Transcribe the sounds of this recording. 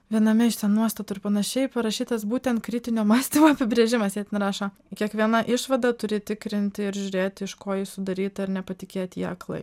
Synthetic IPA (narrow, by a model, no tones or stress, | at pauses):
ʋʲiɛnɐmʲɛʃt̪ʲɛnnuɔst̪ɐt̪ʊːɪɾpɐnɐʃʲɛɪpɐɾɐʃʲiːt̪ɐsbuːt̪ʲɛnt̪̚kɾʲɪt̪ʲɪnʲoːmɑːsʲt̪ʲimoːɐpʲɪbʲɾʲeːʒʲɪmɐsjɛːt̪ʲɛnɾɑːʃɐ | kʲiɛkʋʲiɛnɐʔɪʃʋɐd̪ɐt̪ʊɾʲɪt̪ʲɪkɾʲɪnʲt̪ʲɪɪɾʒʲʊɾʲeːt̪ʲɪʃkoːjɪsʊd̪ɐɾʲiːt̪ɐɪɾnʲɛpɐt̪ʲɪkʲeːt̪ʲiɐ̰klˠɐ̰ɪ